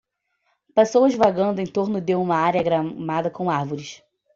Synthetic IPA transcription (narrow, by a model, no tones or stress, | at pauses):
pesowɐzvaɡɐ̃nd̪ʊẽj̃t̪oɾnʊd̪ɪũmɐaɾjɐɡɾamad̪ɐkõw̃aɾvoɾɪʃ